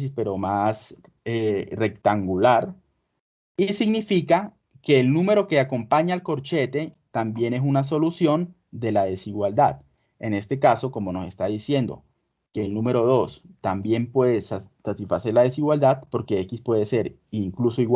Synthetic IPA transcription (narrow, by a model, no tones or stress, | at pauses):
ispe̞ɾo̞mas | ere̞k̚t̪aŋɡulaɾ | isiɡnifika | ke̞ːlnũme̞ɾo̞ke̞ako̞mpaɲaːlko̞ɾt͡ʃe̞t̪e̞t̪ambje̞ne̞s̬unas̬o̞lusjo̞n | d̪e̞laðe̞siɣwald̪að | e̞ne̞st̪e̞kaso̞ko̞mo̞nose̞̰st̪aðisje̞nd̪o̞̰ | ke̞lnume̞ɾo̞ðo̞st̪ambje̞mpwe̞ðessat̪isfase̞ɾlað̞e̞siɣwald̪aðpo̞ɾke̞ekispwe̞ðe̞se̞ɾiŋkluso̞iɣ